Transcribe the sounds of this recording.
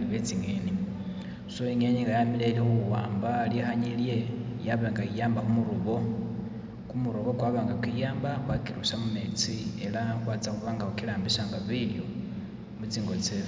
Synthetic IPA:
iβed͡ziŋeni | soiŋeniŋɡajamilenihuwa̰ːmbaljixaɲilje̞jaβeŋɡaijaːmbakumuɾuβo̞ | kumuɾoβokwaβaːŋɡakwijaːmbakwakiɾusamume̞t͡sielaxwaːt͡sakuβaːŋɡahukilaːmbiʃaːŋɡaβiljo | mut͡siːŋɡo̞t͡seβ

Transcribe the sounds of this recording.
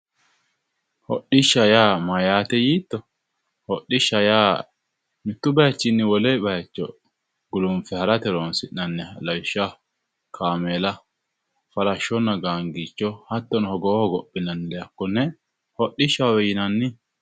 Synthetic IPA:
hɔ̰ɗɪʃːɐjaːmɐjaːt̪ɛjiːt̪ːɔ | hɔɗɪʃːɐjaː | mɪt̪ːʊbɐjɐt͡ʃːɪnːɪwɔleːbɐjɐt͡ʃːɔ | ɡʊlʊmfɛhɐɾɐt̪ɛɾonsɪʔːɐnːɛhɐlɐwɪʃːɐ | kʰaːmeːlɐ | fɐɾɐʃːɔnːɐɡaːŋɡit͡ʃːɔhɐt̪ːɔnhɔɡɔːhɔɡɔpʼːɪnɐnːɪlɛjɐkːɔnːɛ | hɔɗːɪʃːɐwɛjɪnɐnːɪ

